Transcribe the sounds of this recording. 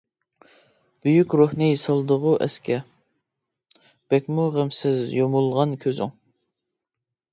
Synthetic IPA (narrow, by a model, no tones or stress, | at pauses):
b̥yjykʲɾohnɨjisɑlˠd̪əʁʊʔɛ̰skʲɛ | b̥ɛkʲmuʁəmsɪzjomulˠʁɑnkʲʰøzɪ̰ŋ